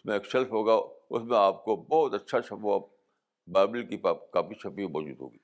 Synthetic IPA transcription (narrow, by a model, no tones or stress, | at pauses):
ʊsmẽeːkʃɐlfɦoːɡaʊ̰smẽaːp̚kobɔːt̪ɐtːʃʰat͡ʃʰɐpoaː | baːbɪlkipakaːfit͡ʃʰɐpimɔːd͡ʒṵːd̪ɦo̰ːɡiː